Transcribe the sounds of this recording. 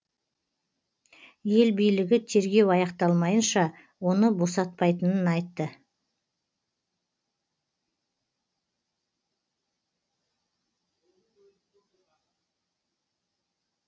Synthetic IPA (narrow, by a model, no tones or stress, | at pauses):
je̞lbijlɪɡʲɪt̪ʰe̞ɾɡʲe̞wɑjɑqt̪ɑlˠmɑjənʃɑ | wo̞nəbo̞sɑt̪̚pɑjt̪ənənɑjt̪ːə